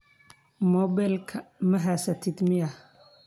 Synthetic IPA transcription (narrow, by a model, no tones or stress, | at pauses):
mɔbɛlkʰɐmɐɦasɐt̪ʰɪd̪mɪɐ